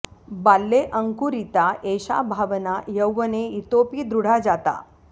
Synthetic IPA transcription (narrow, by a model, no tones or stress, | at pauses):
balːeʔəŋkuɾit̪aʔeɕa̰bʱaʋnajəwːəneit̪opiːd̪ɾuɽ̤ad͡zat̪a̰